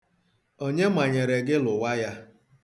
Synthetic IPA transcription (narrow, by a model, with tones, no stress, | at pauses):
o˦ɲe˦ma˨ɲe˨ɾe˨ɡɪ˦lʊ˨wa˦ja˦